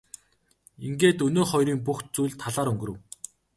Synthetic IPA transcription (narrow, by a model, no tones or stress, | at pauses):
iŋɡeːt̪ɵnoːχɔjɾiːŋp̬uxt̪̚t͡sujɮt̪ʰːaɮaːɾɵŋɡɵ̆ɾɵ̆ɘ̆w